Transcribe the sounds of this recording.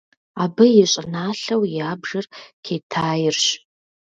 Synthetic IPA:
aːbɐjɛɕʼɪnaːɬɐwjaːbʐɐrkʰeːtʰaːjɪrɕ

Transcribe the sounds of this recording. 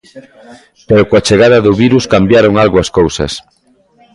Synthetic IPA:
peɾokoat͡ʃeɣaðɐðʊβiɾuskambjaɾoŋalɣoaskowsɐ̰s

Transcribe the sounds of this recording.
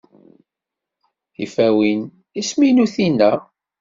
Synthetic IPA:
θifæwin | isminuθinːæ

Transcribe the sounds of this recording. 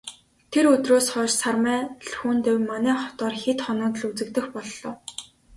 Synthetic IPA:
t̪ʰeɾɵt̪roːsχɔːʃsarmæːɮxuːnt̪ewmanæːχɔt̪ɔːrxet̪χɔnɔːt̪̆ɮut͡sɘ̆k̚t̪ɘ̆xpɔɮːɞ̆ːw

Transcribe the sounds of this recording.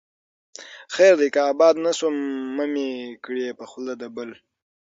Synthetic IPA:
xeːɾd̪ikaːbɑːd̪nasomːamikɽiepəxlad̪abəl

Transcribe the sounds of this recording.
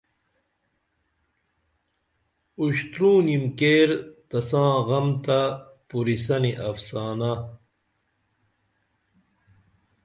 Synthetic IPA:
uɕt̪ɾũːnimkeːɾt̪ɐsãːɣɐmt̪apuɾis̬ɐniʔɐfsaːnɐ

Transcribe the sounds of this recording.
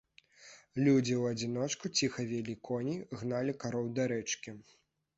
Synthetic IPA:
lʲud͡zʲiwɐd͡zʲinɔt͡ʂkut͡sʲixɐvʲɛlʲikɔnʲiɣnalʲikaɾɔwd̪aɾɛt͡ʂkʲi

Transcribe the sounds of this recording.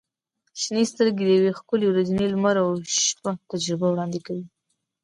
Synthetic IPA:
ʃnest̪əɾɡed̪əjawexkʊlewɾazinelmaɾawʃpat̪ad͡ʒɾɪbawɽɑnd̪ɪkawi

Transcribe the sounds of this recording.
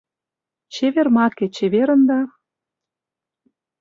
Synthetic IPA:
t͡ɕeβermɑket͡ɕeβeɾə̆nd̪ɑ

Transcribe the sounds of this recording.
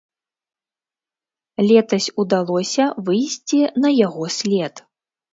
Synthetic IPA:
lʲɛt̪ɐsʲud̪alˠɔsʲɐvɨjsʲt͡sʲinɐjaɣɔsʲlʲɛt̪

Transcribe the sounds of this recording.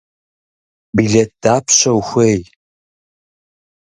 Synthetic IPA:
biɮet̚d̥aːpʰɕɐwxʷej

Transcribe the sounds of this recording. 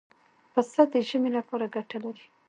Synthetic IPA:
pəsad̪əʒəmelapɑɾaɡaʈalaɾi

